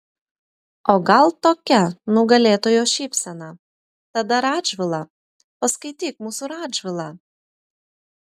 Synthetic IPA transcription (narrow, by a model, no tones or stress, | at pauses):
oːɡɑlˠt̪okʲɛnuɡɐlʲeːt̪oːjoːʃʲipʲsʲɛnɑ | t̪ɐd̪ɐɾɑːdʒʋʲɪlˠɑ | pɐskɐɪt̪ʲiːk̚muːsuɾɑːdʒʲʋʲɪlˠɑ